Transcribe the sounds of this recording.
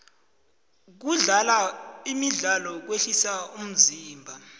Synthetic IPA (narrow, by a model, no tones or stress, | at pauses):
k̬uɮalaimiɮalɔk̬weɬisaum̩ziːmbʱa